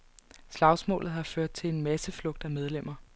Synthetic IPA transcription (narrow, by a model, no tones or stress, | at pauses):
slɑ̈ʊsmɔ̰̽ːlð̞̩ˠhɑ̈føɐ̰d̥̚t͡sʰe̝le̝nmæsəflɔ̽ɡ̥̚d̥æmeð̞ˠlem̰ɐ